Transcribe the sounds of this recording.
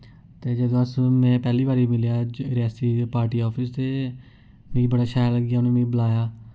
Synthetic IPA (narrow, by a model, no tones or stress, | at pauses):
t̪eːd͡ʒəd̪õəsmɛ̃ːpɛːliːbaːɾiːmɪlijaːɾaːsiːpaːɾʈiːɔːpʰɪst̪eː | mĩːbəɽaːʃaːjləɡijaːnẽːmĩːbəlaːjaː